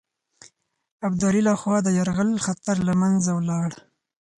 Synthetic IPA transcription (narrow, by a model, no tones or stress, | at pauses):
abd̪ɑɾilaxwɑd̪əjaɾɣəlxat̪aɾlamanzawlɑɽ